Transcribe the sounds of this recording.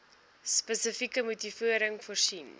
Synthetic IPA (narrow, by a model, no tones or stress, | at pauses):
spəsəfikəmutifuəɾəŋfursin